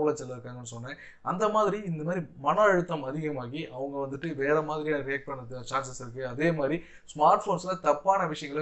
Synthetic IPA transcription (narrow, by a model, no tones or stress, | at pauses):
ɐlɐt͡ʃɛlːɐɾɯkːaːŋɡɐnːɯsɔnːɛ̃ | ʔɐnd̪ɐmaːðɪɾiɪnd̪ɐmaːðɾimɐnɐɛɻɯt̪ːamɐðɪɣɐmaːɣiʔɐʋɐŋɡɐʋɐnd̪ɯʈːɯʋeːɾɐmaːðɪɾijaːɾɪjaːk̚ʈ̚pɐɳːɐðɯt͡ʃaːns̬ɐsɪɾɯkːɯɐðeːmaːd̪ɾi | smaːɾʈfoːnslɐt̪ɐpːaːnɐʋɪʂɐjɐŋɡɐɭ